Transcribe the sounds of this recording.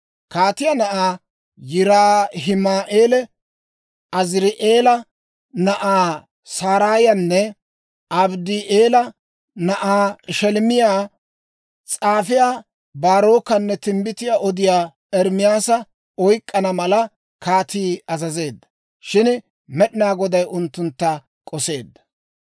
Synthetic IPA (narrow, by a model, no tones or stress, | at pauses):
kaːt̪ɪjaːnɐʔaː | jɪɾaːɦɪmaːʔeːlɛ | ʔɐzɾɪʔeːlɐ | nɐʔaː | saːɾaːjɐnːɛ | ɐbd̪iʔeːlɐ | nɐʔaːʃɛlmɪjaː | t͡sʼaːfɪjaː | baːɾo̞ːkːɐnːɛt̪ɪmbɪt̪ɪjaːʔɔd̪ɪjaː | ɛɾmɪjaːsɐ | ɔjkʼːɐnɐmɐlɐ | kaːt̪iːɐzɐze̞ːd̪ːɐ̥ | ʃɪn | mɛɗɪnaːɡɔd̪ɐjʊnt̪ːʊnt̪ːɐ | kʼɔse̞ːd̪ːɐ̥